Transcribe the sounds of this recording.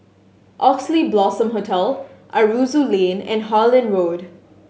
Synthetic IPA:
ʔɔksliblɔːsə̃mɦotʰɛlʔaɹuːzulẽːnɛ̰̃nɦaːlɪ̃nɹoːd

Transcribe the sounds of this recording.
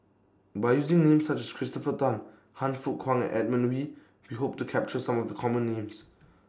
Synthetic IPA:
bajjuzɪ̃ŋnẽmsat͡ʃɛskʰɹistɔfətãn | hãnfut̚kʰwãŋɛ̰̃nʔɛd̚mə̃nwi | wiɦop̚tukʰɛp̚t͡ʃəsãmɔvdəkʰɔmə̃nːẽms

